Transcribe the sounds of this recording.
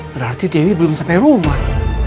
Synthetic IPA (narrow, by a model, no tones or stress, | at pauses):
bəɾart̪idewibəlʊmsampajɾumah